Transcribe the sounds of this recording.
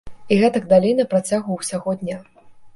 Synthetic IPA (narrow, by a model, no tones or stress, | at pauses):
iɣɛt̪ɐɡ̚d̪alʲejnɐpɾat͡sʲaɣuwsʲaɣɔd̪ʲnʲa